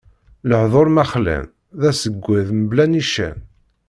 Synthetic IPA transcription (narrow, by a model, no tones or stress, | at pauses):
ləħðˤoɾˤmæχlæ̰n | ðæsəɡʷːæðməblæniʃæ̰n